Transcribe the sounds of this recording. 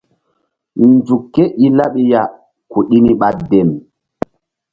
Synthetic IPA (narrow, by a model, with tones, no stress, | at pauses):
nd͡zu˨kːe˦ʔi˦la˦ɓi˦ja˨ | ku˨ɗi˦ni˦ɓa˦de˨m